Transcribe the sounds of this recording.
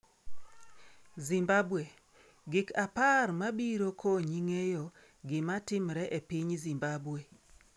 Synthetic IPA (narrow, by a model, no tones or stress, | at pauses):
zimbabwe | ɡɪkaparmabiɾokʰoɲiŋejo | ɡɪmatɪmɾɛʔepiɲzimbabwe